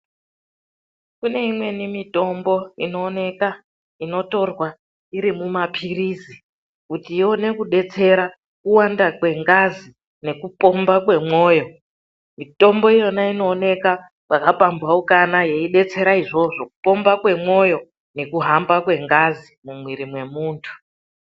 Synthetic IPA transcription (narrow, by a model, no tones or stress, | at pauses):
kune̞imwe̞nimito̞mbo̞ino̞ːne̞ka | ino̞to̞rwa | iɾimumapʰiriːzi | kutione̞kuɗe̞t͡se̞ɾa | kuwandakwe̞ŋɡazi | ne̞kupo̞mbakwe̞mwo̞ːjo̞ | mito̞mbo̞ijo̞naino̞ːne̞ka | wakapambwaukanaje̞iɗe̞t͡se̞ɾaiʐo̞ʐo̞ku̥po̞mbakwe̞mo̞jo̞ | ne̞kuɦambakwe̞ŋɡazimumwiɾimwe̞muːntʰu̥